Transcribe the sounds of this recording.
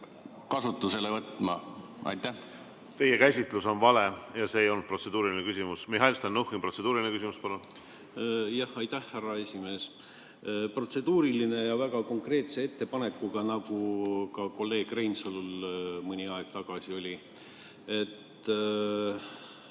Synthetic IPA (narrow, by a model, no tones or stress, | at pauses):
kɑsut̪ːˑuselevɤt̪ːˑmɑ̰ | ɑ̰jt̪ːæ | t̪e̞jekæsʲit̪ˑluso̞nvɑle̞jɑse̞ːjo̞lnud̪̚pro̞t̪se̞d̪uːɾilinekysʲimusmiɦɑjlst̪ɑnːuhinpro̞tse̞d̪uːɾilʲinekysimuspɑlun | jɑhɑjt̪æhːærːɑe̞sʲime̞ːs | pro̞t̪se̞d̪̥uːɾiline̞jɑvæɡɑko̞ŋkre̞ːt̪se̞e̞t̪ːe̞pɑne̞kːuɡ̥ɑnɑɡ̥ukɑko̞lːe̞ːɡ̥rejnsolulmɯnʲiɑeɡ̥t̪ɑɡ̥ɑsio̞lʲi | e̞t̪ː